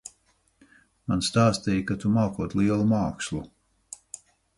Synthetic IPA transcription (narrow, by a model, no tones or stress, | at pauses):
manst̪aːst̪ɛjkat̪umaːkuɔt̪liɛlˠumaːkslˠu